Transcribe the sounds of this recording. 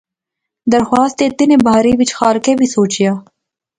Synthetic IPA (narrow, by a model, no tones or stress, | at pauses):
d̪ɐɾxwɑːst̪et̪inebaːɾiʋit͡ʃxaːɾkebʱisoːt͡ʃjaː